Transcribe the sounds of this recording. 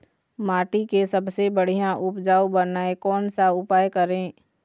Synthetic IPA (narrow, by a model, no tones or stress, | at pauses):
maːʈikesəbsebəɽ̤ijãʔʊpd͡ʒaːubənaːekɔːnsaʊpaːjkəɾẽː